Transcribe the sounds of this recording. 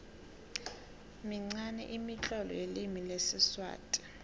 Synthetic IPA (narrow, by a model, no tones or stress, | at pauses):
miŋ͡ǀanɛ̰ʔimit͡ɬʼɔlɔ̰jelimilesiswa̰ːtʼi̥